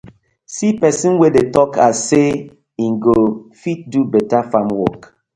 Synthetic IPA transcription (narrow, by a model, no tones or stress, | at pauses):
sipɛsĩnwedetɔkʰase | ĩnɡofit̚dubɛtafãmwɔk